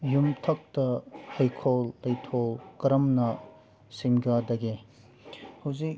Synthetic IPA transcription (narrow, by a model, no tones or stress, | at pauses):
jumtʰɐk̚tɐhɐjkʰolːɐjtʰolkɐɾɐmnɐ | siŋɡadɐɡe | hɐwzik̚